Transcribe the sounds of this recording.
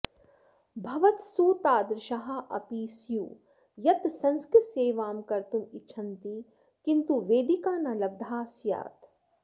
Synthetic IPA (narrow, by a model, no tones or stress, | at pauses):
bʱɐʋɐt̪suːt̪aːd̪ɾʃɐɦaʔɐ̰piːsjuː | jɐt̪sɐ̃nskɾɪt̪seːʋaːmkɐɾt̪umiʃʰɐnt̪i | kint̪uʋeːd̪ikaːnɐlɐb̚d̪ʱaːsja̰ːt̪